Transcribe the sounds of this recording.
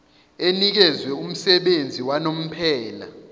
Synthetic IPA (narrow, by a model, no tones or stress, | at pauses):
enik̬ɛzwɛum̩sɛɓend͡zʱiwanom̩pʰɛːla̰